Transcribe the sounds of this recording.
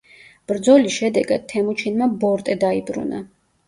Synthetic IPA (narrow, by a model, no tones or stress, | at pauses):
b̥ɾd̪zɔlisʃɛd̪ɛɡa̰d̪̚t̪ʰːɛmut͡ʃʰinmabɔɾt̪ʼɛd̪aibɾṵna̰